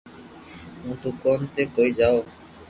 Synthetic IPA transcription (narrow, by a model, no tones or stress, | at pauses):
ũt̪ukɔnt̪ekojd͡ʒao